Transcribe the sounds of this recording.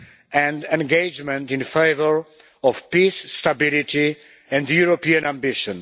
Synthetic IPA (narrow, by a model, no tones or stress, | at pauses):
ɛ̃ndɛ̃nɡed͡ʒmɛ̃ntĩnfejvəɹ | ɔvpisːtabiliti | ɛ̃ndjuɹopiãnãmbɪʃɔ̃n